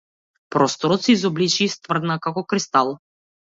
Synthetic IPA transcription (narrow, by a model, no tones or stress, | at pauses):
pɾɔst̪ɔɾɔt̪sɛizɔblit͡ʃiːst̪vr̩d̪nakakɔkɾist̪alˠ